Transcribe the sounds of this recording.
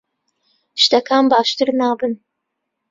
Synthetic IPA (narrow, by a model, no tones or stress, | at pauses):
ʃt̪ɐkʰaːnbaːʃt̪ɨɾnaːbɨn